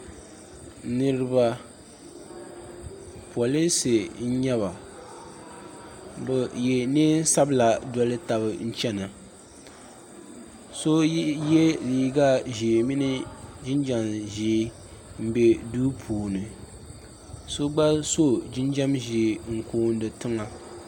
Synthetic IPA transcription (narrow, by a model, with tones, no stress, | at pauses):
nɨ˦ɾɨ˦ba˦ | pu˨a˨lɨ˦se˨n̩˦ɲɛ˦βa˨ | bɛ˨jɛ˨neː˦n˦sa˦bɨ˦la˨dɔ˦lɨ˦ta˨βɨ˨n̩˦t͡ʃɛ˦na˨ | so˦jɛ˦liː˦ɡa˦ʒi˨mɪ˦nɨ˦d͡ʒɪ˦nd͡ʒa˨mʒi˨˦ | m̩˦be˦duː˦pʰuː˨nɨ˨ | so˦ɡ͡ba˦so˦d͡ʒɪ˦nd͡ʒa˦mʒe˨ŋ̩˨koː˦n˦dɨ˨tɨ˦ŋa˦